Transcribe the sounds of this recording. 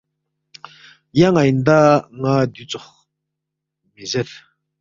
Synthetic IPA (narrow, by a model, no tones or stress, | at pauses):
jaŋajnd̪aŋad̪yt͡soχ | mizɛt